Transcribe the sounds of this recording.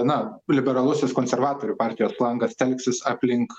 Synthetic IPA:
nɐlʲɪbʲɛɾɐlˠʊsʲɪskoːnʲsʲɛɾʋɑːt̪oːɾʲʊpɑːɾʲt̪ʲɪjoːslˠɐŋɡɐst̪ʲɛlʲksʲɪsɑːpʲlʲɪŋk

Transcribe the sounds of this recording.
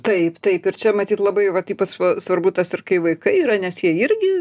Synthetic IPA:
t̪ɐɪpt̪ɐɪpɪrt͡ʃʲɛmɐt̪ʲiːt̪lˠɐbɐɪʋɐt̪ʲiːpɐtɐsʋɐrbut̪ɐsɪrkɐɪʋɐɪkɐɪiːɾɐnʲɛsjiɛɪɾʲɡʲɪ

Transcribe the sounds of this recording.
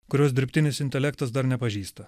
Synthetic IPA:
kʊɾʲoːsd̪ʲɪɾʲpʲt̪ʲɪnʲɪsɪnʲt̪ʲɛlʲɛkt̪ɐsd̪ɐɾnʲɛpɐʒʲiːst̪ɐ

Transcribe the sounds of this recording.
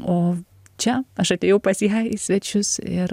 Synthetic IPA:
oː | t͡ʃʲɛɐʃɐt̪ʲeːjɛʊpɐsʲiɐisʲʋʲɛt͡ʃʲʊsɪɾ

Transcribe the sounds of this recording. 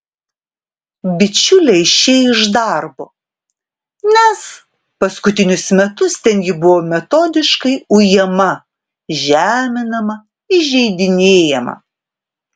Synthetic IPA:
bʲɪt͡ʃʲʊlʲɛɪʃʲeːjɪʒd̪ɐˑɾbo | nʲɛs | pɐskʊt̪ʲɪnʲʊsmʲɛt̪ʊst̪ʲɛnʲjʲɪbʊʋoːmʲɛt̪oːd̪ʲɪʃkɐɪʊjɛmɐ | ʒʲæːmʲɪnɐmɐ | ɪʒʲɛɪd̪ʲɪnʲeːjɛmɐ̰

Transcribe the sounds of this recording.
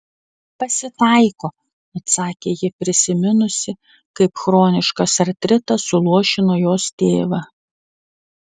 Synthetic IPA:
pɐsʲɪt̪ɐˑɪkoː | ɐt̪sɑːkʲeːjɪpʲɾʲɪsʲɪmʲɪnʊsʲɪ | kɐɪpxɾoːnʲɪʃkɐsɐɾt̪ʲɾʲɪt̪ɐsʊlˠuɔʃʲɪnoːjoːst̪ʲeːʋɐ

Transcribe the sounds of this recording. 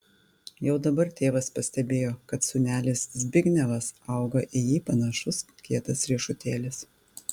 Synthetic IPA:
jɛʊd̪ɐbɐɾt̪ʲeːʋɐspɐsʲt̪ʲɛbʲeːjoːkɐt̪sʊnʲæːlʲɪszʲbʲɪɡʲnʲɛʋɐsɐˑʊɡɐʔɪjiːpɐnɐʃʊskʲiɛt̪ɐsɾʲiːʃʊt̪ʲeːlʲɪs

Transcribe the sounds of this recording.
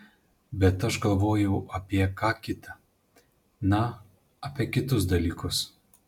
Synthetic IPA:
bʲɛt̪ɐʃɡɐlˠʋoːjɛʊʔɐpʲiɛkɑːkʲɪt̪ɐ | nɐ | ɐpʲiɛkʲɪt̪ʊsd̪ɐlʲiːkʊs

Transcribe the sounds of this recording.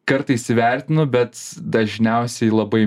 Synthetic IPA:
kɐɾt̪ɐɪsʲɪʋʲæˑɾʲt̪ʲɪnʊbʲɛt̪d̪ɐʒʲnʲɛʊsʲɛɪlˠɐbɐɪ

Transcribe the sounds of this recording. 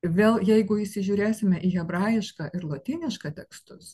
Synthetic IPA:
ʋʲeːlˠjɛɪɡʊɪʃsʲɪʒʲuːɾʲeːsʲɪmʲɛʔiːɣʲɛbɾɑːjɪʃkɑʔɪɾlˠoːt̪ʲiːnʲɪʃkɐːt̪ʲɛkst̪ʊs

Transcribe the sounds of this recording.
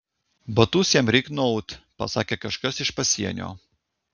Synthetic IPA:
bɐt̪uːsʲjɛmɾʲɛknɔʊt̪ʲpɐ̰sɑːkʲeːkɐʃkɐsɪʃpɐsʲiɛnʲo̰ː

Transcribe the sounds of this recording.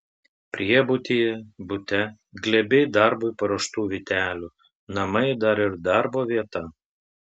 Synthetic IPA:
pʲɾʲiɛbʊt̪ʲiːjɛbʊt̪ʲɛ | ɡlʲɛbʲɛɪd̪ɑˑɾbʊɪpɐɾoːʃt̪uːʋʲit̪ʲæːlʲuː | nɐmɐɪd̪ɐɾɪɾd̪ɑɾboːʋʲiɛt̪ɐ

